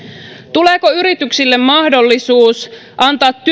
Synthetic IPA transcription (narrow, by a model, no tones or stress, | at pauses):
t̪uleːkoyɾit̪yksilːe̞mːɑhdo̞lːisuːs | ʔɑnt̪ɑːt̪ːy